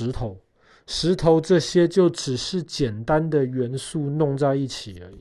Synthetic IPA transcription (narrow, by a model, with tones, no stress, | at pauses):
ɻ̩˧˥t̪ʰo˧˦ʊ | ʂɻ̩˧˥t̪ʰo˧˥ʊʈ͡ʂɤ˥˩ɕjɛ˥t͡ɕjo˥˩ʊʈ͡ʂɻ̩˨˩ʂɻ̩˥˩t͡ɕjɛ˨˩nt̪a˦nd̪ə˨ɥɛ˨˧˥nsu˥˧nʊ˥˧ŋt͡sa˥˧ɪi˥˩t͡ɕʰi˨˩ə˦˨